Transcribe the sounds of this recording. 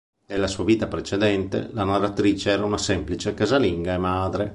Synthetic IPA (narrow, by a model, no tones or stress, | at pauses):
d̪elːasuːaviːt̪apɾet͡ʃed̪ɛnt̪ḛlanarat̪ɾiːt͡ʃeɛːɾaunasɛmplit͡ʃekazaliŋɡaemaːd̪ɾe